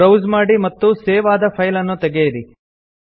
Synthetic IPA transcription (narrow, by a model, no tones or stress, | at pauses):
ɾɐwzmaːɽimɐt̪ːuseːʋaːd̪ɐpʰɐjlɐnːut̪ɛɡejɐɾi